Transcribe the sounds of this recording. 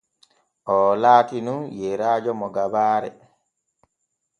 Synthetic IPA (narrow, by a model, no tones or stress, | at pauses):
ʔɔːlaːkinunjɛɾaːd͡ʒɔmɔɡabaːɾɛ